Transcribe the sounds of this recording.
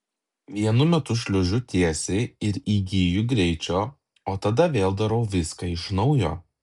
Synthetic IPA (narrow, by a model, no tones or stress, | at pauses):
ʋʲiɛnʊmʲɛt̪ʊʃʲlʲʊʒʲʊt̪ʲiɛsʲɛɪɪɾiːɡʲiːjʊɡɾʲɛɪt͡ʃʲoː | oːt̪ɐd̪ɐʋʲeːlˠd̪ɐɾɐʊʋʲɪskɐɪʃnɒʊjo̰ː